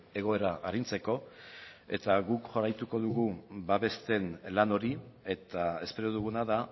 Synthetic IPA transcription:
e̞ɣ̞o̞e̞ɾaʔaɾint͡se̞ko̞ | e̞̰t̪aɣukʝoɾajt̪uko̞ðuɣubaβe̞st̪e̞nlano̞ɾie̞t̪ae̞spe̞ɾo̞ð̞uɣ̞unaða

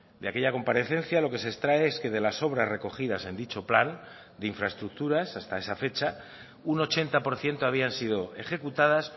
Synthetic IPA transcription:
d̪eakeʎako̞mpaɾe̞θe̞n̟θjalo̞ke̞sest̪ɾaeeske̞ðe̞laso̞β̞ɾazre̞ko̞xið̞ase̞nd̪it͡ʃo̞plan | d̪eiɱfɾaest̪ɾuk̚t̪uɾasast̪ae̞safe̞t͡ʃa | uno̞t͡ʃe̞nt̪apo̞ɾθje̞nt̪oaβ̞iansiðo̞e̞xe̞kut̪að̞as

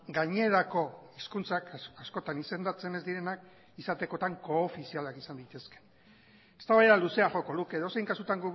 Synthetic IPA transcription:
ɡaɲe̞ɾako̞iskunt͡sakasko̞t̪anise̞nd̪at͡se̞ne̞zd̪iɾe̞nak | isat̪e̞ko̞t̪aŋko̞ːfisialakisand̪it̪e̞ske̥ | est̪aβajeɾaluse̞aʝo̞ko̞ðukeːðo̞sejŋkasut̪aŋɡu

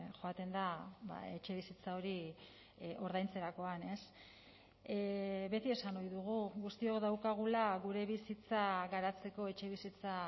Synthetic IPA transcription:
xo̞at̪e̞nd̪aβa̰e̞t͡ʃe̞βisit͡sao̞ɾi | ʔo̞ɾðajnt͡se̞ɾako̞ane̞s | βe̞t̪ie̞sanojðuɣ̞uɣust̪io̞kðawkaɣ̞ulaɣuɾe̞βisit͡saɣaɾat͡se̞ko̞e̞t͡ʃe̞βisit͡sa

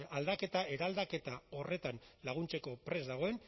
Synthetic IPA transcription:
ald̪ake̞t̪aeɾald̪ake̞t̪ao̞re̞t̪anlaɣ̞unt͡seko̞pɾe̞zd̪aɣ̞o̞e̞n

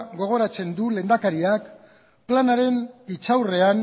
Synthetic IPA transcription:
ɡo̞ɣ̞o̞ɾat͡se̞nd̪ule̞ːnd̪akaɾiak | planaɾe̞nit͡sawre̞an

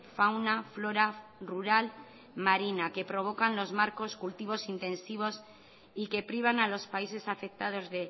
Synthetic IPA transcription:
fawnaflo̞ɾaruɾal | maɾinake̞pɾo̞β̞o̞kanlo̞zmaɾko̞skult̪iβo̞sint̪ẽ̞nsiβ̞o̞s | ike̞pɾiβ̞analo̞spaise̞safe̞k̚t̪að̞o̞zðe̞

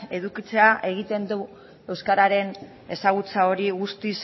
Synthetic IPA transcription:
e̞ðukit͡se̞aʔe̞ɣ̞it̪e̞nd̪u | e̞wskaɾaɾe̞n | e̞saɣ̞ut͡sao̞ɾiɣust̪is

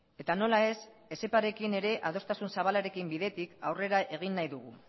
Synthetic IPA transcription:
e̞t̪ano̞lae̞s | e̞se̞paɾe̞kine̞ɾe̞ʔaðo̞st̪asunsaβ̞alaɾe̞kimbiðe̞t̪ikawre̞ɾaʔe̞ɣ̞inːajðuɣ̞ṵ

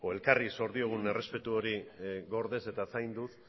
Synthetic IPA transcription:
oe̞lkariso̞ɾðio̞ɣ̞une̞re̞spe̞t̪uo̞ɾiɣo̞ɾðe̞se̞t̪asajnd̪ut̪

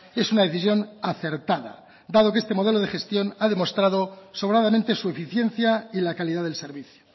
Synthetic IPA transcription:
esunaðe̞θisjo̞naθe̞ɾt̪aða̰ | d̪að̞okee̞st̪e̞mo̞ð̞eloð̞exe̞st̪jo̞naðe̞mo̞st̪ɾað̞oso̞βɾaðamẽnt̪esue̞fiθje̞n̟θjailakaliðaðe̞lse̞ɾβiθjo̥

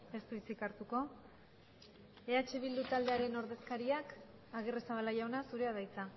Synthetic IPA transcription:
e̞st̪uβist͡sikaɾt̪uko̞ | e̞at͡ʃeβild̪ut̪ald̪e̞aɾe̞no̞ɾðe̞skaɾiak | aɣ̞eresaβalaʝaonasuɾe̞aðajt͡sa

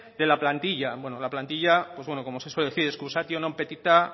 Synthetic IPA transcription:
d̪e̞laplant̪iʎabwe̞nolaplant̪iʎapwo̞zβwe̞no̞ko̞mose̞sweleeθiɾeskusat̪jonompe̞t̪it̪a

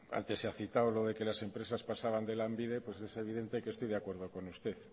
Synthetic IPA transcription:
a̰nt̪e̞saθit̪awlo̞ð̞e̞ke̞lase̞mpɾe̞saspasaβ̞and̪e̞lambiðe̞pwe̞se̞se̞β̞iðe̞nt̪e̞kest̪ojðakwe̞ɾð̞o̞ko̞nust̪e̞θ

